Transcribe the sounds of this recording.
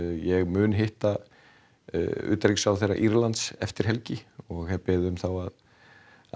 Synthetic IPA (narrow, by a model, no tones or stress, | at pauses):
jɛɣmʏːnɦɪht̪a | ʏ̰ːt̪ɾiksawθejrːa̰ʔiɾlant̪sɛft̪ɪɾ̥ɦɛlcɪɔɣhɛpɛːðʏmθawað